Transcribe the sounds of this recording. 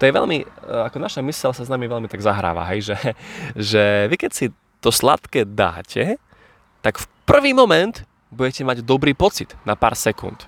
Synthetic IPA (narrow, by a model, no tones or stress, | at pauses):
t̪ɔjɛʋɛ̰lmiakɔnaʃamisɛlsaznamiʋɛʎmit̪aɡzaɦɾa̰ːʋa̰ɦɛjʒɛʒɛʋikɛcsi | t̪ɔsla̰t̪kɛd̪a̰ːcʰɛ | t̪akfpr̩ʋiːmɔmɛnt̪ | buɟɛcɛmaɟd̪ɔbɾiːpɔt͡sit̪napa̰ːɾsɛkṵnt̪